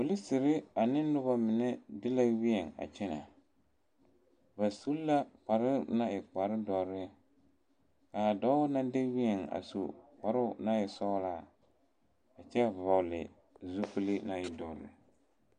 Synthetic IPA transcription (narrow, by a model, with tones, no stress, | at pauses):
o˨lɪ˦sɪ˨ɾɪ˦a˨nɪ˦nʊ˦ba˦mɪ˨nɛ˦dɪ˦la˦wi˦ɛ˨ŋa̰˨t͡ʃɛ˦na̰˨ | ba˨su˦la˦k͡pa˨ɾɪ˦na˦ɪ˨k͡pa˨ɾɪ˦dɔ˨ɾɪ˦ | ka˨dɔ˦ʊ˦na˦de˦wi˦ɛ˨ŋa̰˨so̰˨pa˨ɾʊ˦na˦jɪ˨sɔ˦laː˦˨ | a˨t͡ʃɛ˦˨va˨wlɪ̰˨ | zu˦pɨ˦lɪ˦na˦ɪ˨dɔ˨ɾɪ̰˦